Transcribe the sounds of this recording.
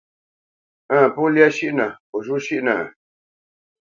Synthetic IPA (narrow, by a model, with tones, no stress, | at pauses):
ã˦˨pu˦lja˦ʃi˦ʔnã˨ | o˨ʒu˦ʃi˦ʔnã̰˨